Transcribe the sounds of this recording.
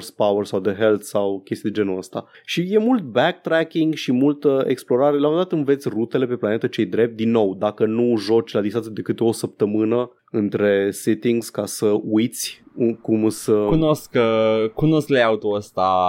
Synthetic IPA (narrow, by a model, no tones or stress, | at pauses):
rspawərsawd̪əɦe̞lt̪sawkʲest̪id̪e̞d͡ʒe̞nuəst̪a̰ | ʃije̞mult̪̚bɛk̚t̪ɾækʲiŋɡʃimult̪əeksplo̞ɾaɾe̞laməd̪at̪ɨnve̞t̪sʲrut̪e̞le̞pe̞plane̞t̪ət͡ʃe̞jd̪ɾe̞p̚t̪̚d̪inːo̞wd̪akənuʒo̞t͡ʃʲlad̪ist̪anjad̪e̞kɨt̪eo̞səp̚t̪əmɨnə | ɨnt̪ɾe̞set̪iŋɡz̥kasəujt̪sʲukumsəkunoskkunoskleaut̪oəst̪a